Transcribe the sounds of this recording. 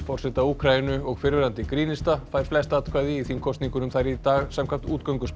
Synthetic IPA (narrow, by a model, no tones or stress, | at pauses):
fɔr̥sɛt̪auːkʰɾajɪnʏɔɣfɪɾvɪɾant̪ɪkɾiːnɪst̪afaːjɾ̥flɛst̪at̪kʰvaːjðɪiθimkʰɔst̪niŋkʏnʏmθajɾit̪aːɣsɛmkʰam̥t̪uːt̪̚kœwŋkʏsp